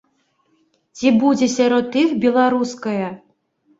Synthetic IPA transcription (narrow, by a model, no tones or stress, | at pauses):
t͡sʲibud͡zʲɛsʲaɾɔt̪ːɨxbʲɛlˠaɾuskɐjɐ